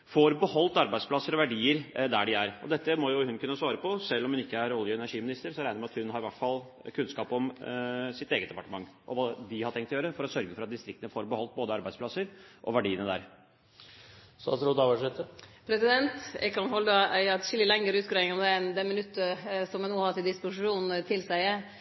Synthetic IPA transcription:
foɾbəhɔlt̪ɑɾbæɪspʰlɑsːəɾɔʋæɖiːəɾd̪æɖɪæɾɔ̰d̪ɛt̪ːəmɔjʊhʉnkʰʉnːəsʋɑːɾəpʰɔsɛlːɔmhʉnɪkːəæɾɔljəɛnæɾʂiːmɪnɪst̪əɾsɔɾæɪnəɾmɛɑt̪hʉnɦɑɾɪʋæʈfɑl | kʰʉnskɑːpɔmsɪt̪eːɡət̪d̪ɛpɑʈəmɑŋːʔɔ̰ʋɑːd̪ɪhɑt̪ʰʈʰɛŋkt̪ːjøːɾəfɔɾɔsœɾɡəfɔɾɑt̪̚d̪ɪst̪ɾɪk̚t̪ənəfoːɾbəhɔlt̪̚boːd̪əɑɾbæɪspʰlɑsːəɾʔɔ̰ʋæɖiːənəd̪æ̰ɾ | sɑ̰sɾɔd̪ɑʋəʂɛt̪əpʰɾɛsɪd̪ɛnt̪ɛ̰kʰɑnhɔlːəæɪɛt̪ʂɪlːəlɛŋːəɾʉːt̪kɾeɪŋɔmd̪ɛɛnd̪ɛmɪnʉt̪ːəsɔmjɛnuːhɑt̪ɪld̪ɪspʊʂɪuːnnt̪ʰɪlsæɪ

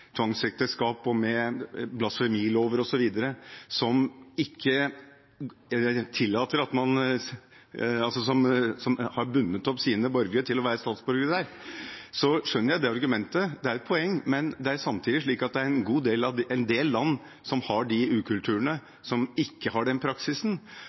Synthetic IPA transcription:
t̪ʰʋɑŋsɛk̚t̪əskɑːpɔmɛblɑsfɛmiːloːʋəɾɔsɔʋiːd̪əɾəsɔmɪkʰːə | t̪ʰɪlːɑːt̪əɾɑt̪mɑn | ɑlsɔsɔmsɔmhɑɾbʉnːət̪ɔpsiːnəbɔɾɡɾət̪ʰɪlɔʋæːɾəst̪ɑːt̪sbɔɾɡəd̪æɾsɔʂœnːəɾjæɪd̪eːɑɾɡʉmɛnt̪əd̪ɛæɾɛt̪̚pʰɔɛŋːmɛnd̪ɛæɾsɑmt̪ʰiːd̪ɪʂɭiːkɑt̪̚d̪ɛæɾɛnɡuːd̪eːlɑd̪ɛnd̪eːlːɑnː | sɔmhɑɖɪʉːkʰʉlt̪ʰʉːəɳə | sɔmɪkːəhɑɖɛnpʰɾɑksɪsn̩

